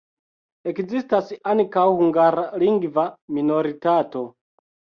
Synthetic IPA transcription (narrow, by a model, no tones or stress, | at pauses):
ekzistasiaŋkawhuŋɡaɾaliŋɡvamino̞ɾitato̞